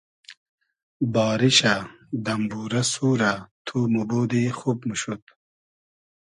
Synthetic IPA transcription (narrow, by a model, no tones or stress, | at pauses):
bɑːɾiɕad̪ɐmbuːɾɐsuːɾat̪ʰumubuːd̪ixubmuɕut̪̚